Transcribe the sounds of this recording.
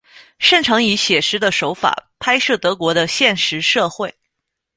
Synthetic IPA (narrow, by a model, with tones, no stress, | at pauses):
ʂə˥˩ŋʈ͡ʂʰɤ˧˥ŋi˧˥ɕjɛ˨˩ʂɻ̩˧˥d̪ə˨ʂo˧˥ʊfa̰˨˩pʰa˥ɪʂɤ˥˩t̪ɤ˧˥kwɔ˧˥ɾə˧ɕjɛ˥˩nʂɻ̩˧˥ʂɤ˥˧xwe˥˩ɪ